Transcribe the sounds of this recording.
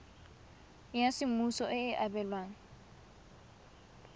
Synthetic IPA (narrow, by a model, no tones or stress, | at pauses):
jasɪmusɔʔɪːʔabɛlwaːŋ̩